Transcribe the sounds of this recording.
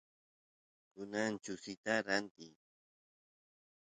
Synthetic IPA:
kʊnant͡ʃʊsɪt̪aɾant̪ɪ

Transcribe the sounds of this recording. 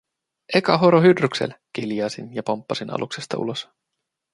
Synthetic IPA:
ekɑɦoɾoɦydryksḛlkiljɑːsinjɑpompːɑsinʔɑ̰lʔuksest̪ɑṵlo̞s

